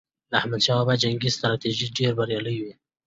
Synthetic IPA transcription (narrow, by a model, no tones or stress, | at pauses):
d̪ahmad̪ʃɑbad͡ʒaŋɡisst̪ɾɑt̪iʒiɖeɾbaɾjɑləjwi